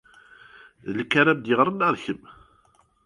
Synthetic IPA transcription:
ðəlkːaɾæbd̪jəʁɾˤənæɾˤçəm

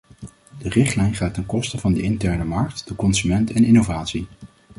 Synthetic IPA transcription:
d̥ərɪχtlɛjnχaːtɛnkɔstəvɑndəɪntɛɹnəmɑɹk̚td̥əkɔnzymɛntɛnɪnowvaːtsi

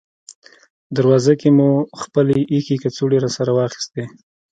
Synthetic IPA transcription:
d̪aɾwɑzakemuxpəleʔixekat͡suɽeɾɑsaɾawɑxi̥st̪e

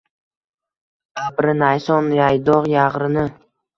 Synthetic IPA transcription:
abɾɪnajsɒnjajd̪ɒʁjaʁɾɪnɪ

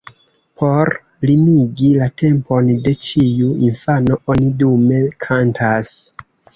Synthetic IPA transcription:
pʰo̞ɾ | limiɡilate̞mpo̞nde̞t͡ʃijuinfano̞o̞nidume̞kʰantʰas

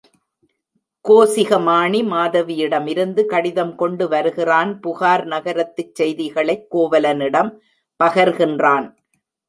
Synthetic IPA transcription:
koːsɪɣɐmaːɳimaːðɐʋɪjɪɽɐmɪɾɯnd̪ɯkɐɽɪðɐmkɔɳɖɯʋɐɾɯɣɪraːnpʊɣaːɾnɐɣɐɾɐt̪ːɯt͡ʃsɛjðɪɣɐɭɐɪkːoːʋɐlɐnɪɽɐm | pɐɣɐɾɣɪndraːn

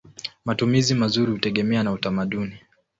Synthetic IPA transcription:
matumizimazuɾihutɛɠɛmɛanautamaɗuni

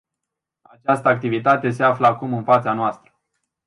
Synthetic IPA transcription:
at͡ʃast̪əak̚t̪ivit̪at̪e̞s̬eafləakumɨnfat̪sanoast̪ɾə̥

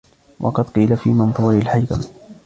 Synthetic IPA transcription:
wʔɑ̰qɑd̪qiːlafiːmɑnðuːɾɪlħajka̰m

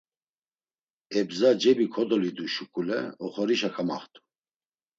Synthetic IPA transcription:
ɛbzad͡ʒɛbikʰɔd̪ɔlid̪uʃukʼulɛ̰ɔχɔɾiʃakʰamaχt̪ʰʼu̥

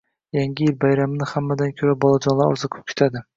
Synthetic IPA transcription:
jaŋɡʲɪjɪlbajɾamɪnɪhamːad̪ankʲʰɵɾabɒlˠad͡ʒɒnlˠaɾɒ̰ɾzakʰɵ̥p̚kʲʰe̥t̪ʰad̪ɪ

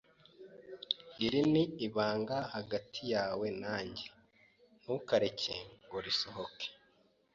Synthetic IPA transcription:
iɾiniiβaːŋɡahaɡatʰijaːwe̞naːɲɟe | n̥ukaɾecḛŋɡoɾisoɦoke̥

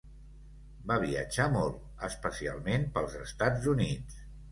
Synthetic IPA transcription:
baβ̞iə̰d͡ʒamɔlˠt̪ | əspəsia̰lˠmenpəlˠzəst̪ad͡zunit͡s

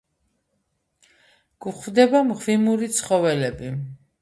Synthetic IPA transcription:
ɡ̥uχvd̪ɛbamʁvimuɾit̪sʰχɔvɛlɛbi

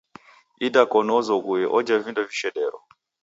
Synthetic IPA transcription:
idakɔnɔzɔɡujɛʔɔd͡ʒavindɔviʃɛɗɛɾɔ̰

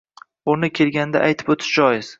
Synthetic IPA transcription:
ʊnɪkʲʰe̞lɡʲand̪aʔajt̪ʰɪ̥pot̪ʰɪ̥ʃd͡ʒɒjɪz̥

